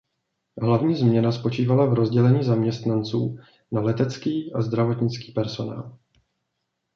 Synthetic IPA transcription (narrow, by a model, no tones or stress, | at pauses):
ɦlavɲiːzmɲɛnaspo̞t͡ʃiːvalavɾo̞zɟɛlɛɲiːzamɲɛst̪nant͡sṵː | nalɛt̪ɛt͡skiːʔazd̪ɾavo̞t̪ɲɪt͡ski̥ːpɛɾso̞na̰ːl